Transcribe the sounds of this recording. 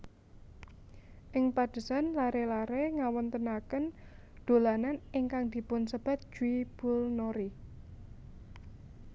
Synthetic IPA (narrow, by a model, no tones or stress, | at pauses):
ʔɪŋpad̪̥ə̤sanlaɾelaɾeŋawɔnt̪ənakən | d̪̥o̤lananɪŋkaŋd̪̥i̤pʊnsəb̥a̤t̪̚d͡ʒ̥uib̥ʊ̤lnoɾi